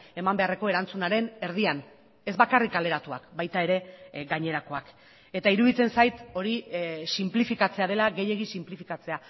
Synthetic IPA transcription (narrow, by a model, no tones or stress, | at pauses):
e̞mambe̞areko̞e̞ɾant͡sunaɾe̞ne̞ɾðian | e̞zβakarikale̞ɾat̪ua̰kbajt̪ae̞ɾe̞ɡaɲe̞ɾako̞ak | e̞t̪aiɾuðit͡se̞nsajt̪o̞ɾisimplifikat͡se̞aðe̞laɣe̞je̞ɣ̞isimplifikat͡se̞a